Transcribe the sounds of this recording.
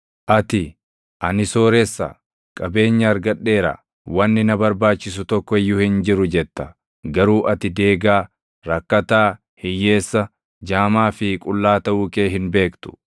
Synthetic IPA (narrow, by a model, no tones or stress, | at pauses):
ʔɐt̪ɪ | ʔɐnɪso̞ːɾɛsːɐ̰ | kʼɐbe̞ːɲːɐɐɾɡɐᶑːe̞ːɾɐ̰ | wɐnːɪnɐbɐɾbaːt͡ʃːɪs̬ʊt̪ɔkːɔɛjːʊhɪnd͡ʒɪɾʊd͡ʒɛt̪ːɐ | ɡɐɾuːʔɐt̪ɪd̪e̞ːɡaː | ɾɐkːɐt̪aː | hɪjːe̞ːsːɐ | d͡ʒaːmaːfɪkʼʊlːaːt̪ɐʔuːke̞ːɦɪnbe̞ːkt̪ʊ̥